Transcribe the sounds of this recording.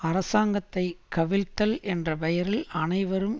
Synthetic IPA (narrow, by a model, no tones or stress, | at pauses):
ɐɾɐsaːŋɡɐt̪ːɐɪkɐʋɪɻt̪ːɐlʔɛndrɐpɐjɐɾɪlɐnɐɪʋɐɾɯm